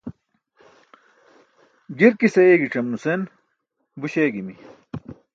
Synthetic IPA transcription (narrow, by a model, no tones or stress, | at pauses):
ɡiɾkisɐeːɡiʈ͡ʂɐmnusen | buɕeːɡimi